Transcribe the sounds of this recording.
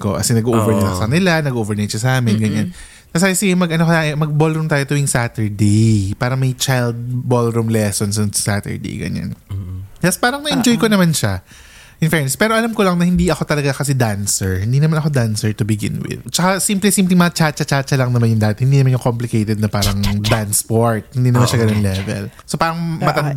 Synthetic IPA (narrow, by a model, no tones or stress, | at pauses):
ko̰ʔɐ̰sɪnɐɡuʔovɛɹnɐlɐŋsɐkɐnɪlanɐɡʔovɛɹnɐʃɐsɐʔaːmɪnɡɐɲan | t̪ɐsaːjsɪɡɛmɐɡʔɐnokɐjaʔɛmɐɡ̚bolɾumt̪aːjot̪ɐjŋsat̪ɛɹd̪ejpaːɾɐŋmɐjt͡ʃajld̪̚bolɾumlɛsonsnʊŋsat̪ɛ̰ɹd̪ḛjɡɐ̰ɲa̰nd͡ʒɐspaːɾɐŋnɐʔɛnd͡ʒojkonɐmanʃa | ʔɪnfɛnspɛːɾoʔɐlamkolɐŋnɐhɪnd̪iʔɐko̞t̪ɐlɐɡakɐsɛd̪ansɛɹhɪnd̪iːnɐmanɐkxo̞d̪ansɛɹt̪ʊbɪɡɪ̰nwɪ̰d̪t͡ʃɐkasimplɛsimplɪŋmɐɐt͡ʃat͡ʃɐt͡ʃat͡ʃɐlɐŋnɐmanjʊŋd̪aːɐt̪hɪnd̪inɐmanʊkomplɪkejt̪ɛd̪̚nɐpaːɾɐŋd̪anspoɹt̪̚hɪnd̪iːnɐmanʃɐɡɐnonlɛvɛ̰lsopaːɾɐŋmɐɐ